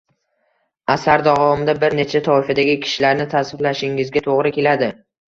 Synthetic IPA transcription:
asaɾd̪avɒɒmɪd̪abɪɾne̞t͡ʃʰat̪ʰɒɪfad̪aɡʲɪkʲʰɪ̥ʃɪlaɾnɪt̪ʰasɪblaʃɪŋɪzɡʲat̪ʰoʁɾɪkʲe̞lad̪ɪ

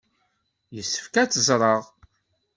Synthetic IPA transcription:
jəsːə̥fkæt͡sːəzɾˤəʁ

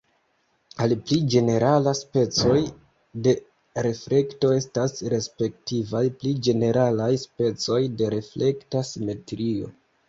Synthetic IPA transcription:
alplid͡ʒe̞ne̞ɾʔalaspe̞t͡so̞j | de̞ | ɾe̞fle̞kto̞e̞stasɾe̞spe̞ktivajplid͡ʒe̞ne̞ɾalajspe̞t͡so̞jde̞ɾe̞fle̞ktasime̞tɾio̞̰

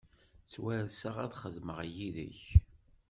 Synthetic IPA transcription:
t͡sːwæɾsəʁæðχəðməʁjiðə̰ç

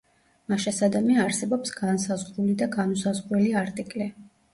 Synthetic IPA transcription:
maʃasad̪amiaːɾsɛbɔpsɡ̥ansazʁɾulid̪aɡanusazʁɾwɛliaɾt̪ʼikʼlɛ

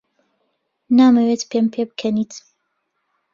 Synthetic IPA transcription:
naːmɛwet̪pʰempʰebɨkʰɐniːt̪

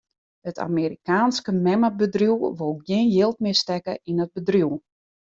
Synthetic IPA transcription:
ətʰa̰meːɾikaːnskəmɛmabədruwʋolˠɡjɪːnjɪːlˠtmɪəstɛkəinət̚bədruw

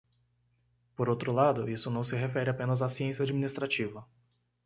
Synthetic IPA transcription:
poɾowt̪ɾʊlad̪ʊisʊnɐ̃w̃sɪɦefɛɾɪapẽnɐzasiẽsijɐad͡ʒiminist̪ɾat͡ʃivɐ

